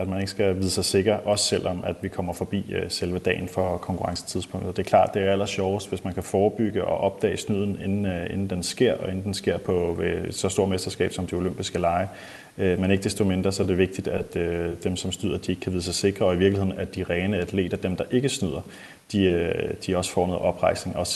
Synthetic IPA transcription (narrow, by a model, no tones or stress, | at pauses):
æd̥mæne̝ɡ̥əsɡ̥æʋiðˠəsɑ̈ɪse̝ɡ̥ʁɐʔɒ̽sə̥sel̰ʔɒ̽mæd̥ʋikʰɒ̽m̰ɐfɒ̽b̥ḭːselʋəd̥ɛ̰ːɪnfɒ̽kʰɒ̽ŋkʰuʁɑ̈ŋsə̥t͡sʰið̞ˠspʰɔ̽ŋ̰d̥̩ˠd̥e̝æɐkʰlɑ̰̈ːd̥e̝æɐæl̰ɐsɕɒʊsd̥ʋe̝smænkʰæfɒːb̥yɡ̥əʔɒ̽ʔɒ̽b̥̚d̥ɛ̰ːɪsnyð̰ˠn̩e̝nn̩enn̩d̥ensɡ̥e̝ɐ̰ɒe̝n̩d̥ensɡ̥e̝ɐ̰pʰɒ̽ʋe̥sɒ̽sd̥o̝ɐ̰mesd̥ɐsɡ̥ɛ̰ːb̥sɒ̽md̥eo̝løm̰b̥isɡ̥əlɑ̈ɪ | ømene̝ɡ̥əd̥esd̥o̝me̝nd̥ʁɐsɒ̽æɐde̝ʋe̝ɡ̥d̥id̥æd̥ød̥emsɒ̽msn̥yð̰ˠɐd̥ie̝ɡ̥əkʰæʋiːð̩ˠsɑɪse̝ɡ̥ʁɐɒ̽iʋiɐ̥lihe̝̰n̩æd̥iʁɛːnəæd̥le̝̰ːd̥ɐd̥emd̥ɑ̈ʔe̝ɡ̥əsnyð̰ˠɐ | d̥iød̥iɒ̽sə̥fɒ̰ːnɛ̰ð̰ˠʔɒ̽b̥ʁɑ̈ɪ̰sne̝ŋɒ̽